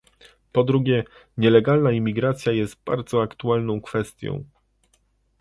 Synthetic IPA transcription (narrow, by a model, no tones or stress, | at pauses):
pɔd̪ɾuɡʲɛ | ɲɛlɛɡalnaimʲːiɡɾat̪sʲjajɛst̪̚ba̰ɾd̪zɔakt̪ualnɔ̃w̃kfɛst̪ʲjɔ̰̃w̃